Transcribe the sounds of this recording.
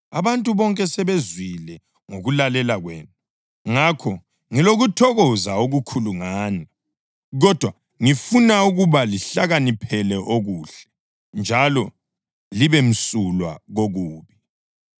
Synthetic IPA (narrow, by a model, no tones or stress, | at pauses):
a̰βantʼuβɔŋkʼɛsɛβezwilɛ | ŋoɣulalɛlaɣwḛːnu | ŋakʰɔ | ŋiloɣutʰɔɣɔzaoɣukʰuluŋaːna | ɣɔd̥ʱwa | ŋifunauɣuβaliɬaɣanipʰɛlɛʔoɣuːɬɛ̥ | nd͡ʒʱalɔ | liβem̩sulwa̰ɣoɣuːβi